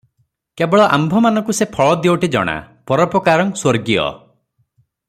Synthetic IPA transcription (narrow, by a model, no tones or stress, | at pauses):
kebɔɭɔʔa̰mbʱɔmanɔ̃ŋkusepʰɔɭɔd̪ioʈid͡ʒɔ̰ɽ̃a̰pɔɾɔpɔkaɾɔŋswoɾɡijɔ̰